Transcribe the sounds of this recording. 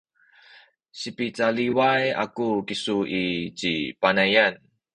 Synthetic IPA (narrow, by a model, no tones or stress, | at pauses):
ɕipit͡saliwaja̰kukisuʔit͡ɕipanajan